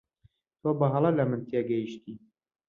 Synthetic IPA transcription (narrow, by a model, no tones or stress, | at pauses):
t̪ʰoːbɐɦɑlˠɐlɐmɨnt̪ʰiɛɡɐjiʃt̪iː